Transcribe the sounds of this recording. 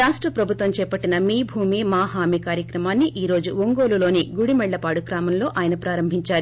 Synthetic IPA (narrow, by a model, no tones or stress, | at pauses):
aːʂʈɾɐpɾɐbʱut̪ʋɐmt͡ʃɛːpɐʈːinɐmiːbʱuːmiːmaːɦaːmikaːɾjɐkɾɐmaːnːiʔiːɾo̞ːd͡ʒuʋoŋɡoːlulo̞ːniɡuɽimɛɭːɐpaːɽukɾaːmɐmlo̞ːʔaːjɐnɐpɾaːɾɐmbʱiɲt͡ʃaːɾu